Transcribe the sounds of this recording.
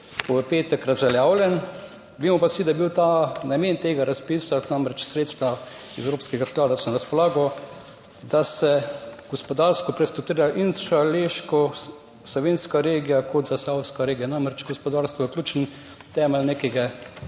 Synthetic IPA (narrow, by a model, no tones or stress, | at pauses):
pɔpeːt̪ɛkɾazʒɛljaːwljɛn | ʋimɔpasid̪ajɛbiwt̪anameːnt̪eːɡaɾaspiːsat̪namɾɛt͡ʃsɾeːt̪st̪ʋa | izɛwɾoːpskɛɡasklaːd̪asɔnaɾaspɔlaːɡɔ | d̪asɛɡ̥ɔspɔd̪aɾst̪ɔpɾɛst̪ɔt̪iːɾaʔinsʃaleːʃkɔ | slɔʋeːnskaɾeːɡijakʰɔd̪zasawskaɾeːɡijanamɾɛt͡ʃɡɔspɔd̪aːɾst̪ʋɔəklʲuːt͡ʃn | t̪ɛːmɛlneːkɛɡɛ